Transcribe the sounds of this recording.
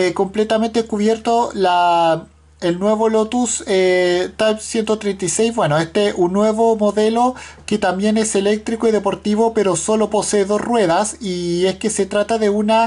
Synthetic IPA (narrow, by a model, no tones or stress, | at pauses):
eko̞mplet̪ament̪eekuβjeɾt̪ola | elnwe̞βolot̪uset̪ajpsjent̪ot̪ɾejnt̪ajsejzβwe̞noest̪eʔunːwe̞βomoðe̞loket̪ambje̞nese̞le̞k̚t̪ɾikoiðepo̞ɾt̪iβopeɾoso̞lo̞po̞seːðo̞srwe̞ðasieskeset̪ɾat̪aðeuna